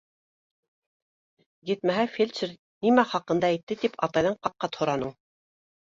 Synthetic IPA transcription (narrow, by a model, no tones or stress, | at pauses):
jɘ̆t̪mæɦæfʲelʲt͡ʃɘɾ | nimæχɑqɤ̆nd̪ɑĭt̪ːɘt̪ipɑt̪ɑjðɤɴqɑp̚qːɑt̪hŏɾɑnɤ